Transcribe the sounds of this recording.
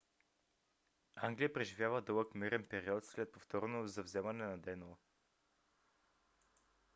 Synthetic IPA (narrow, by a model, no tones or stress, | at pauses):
aŋɡlʲijəpɾɛʒivʲjavəd̪ɤlˠəkmiɾɛnpɛɾiɔt̪slɛt̪̚poft̪ɔɾnozɐvzɛmɐnɛnɐd̪ɛn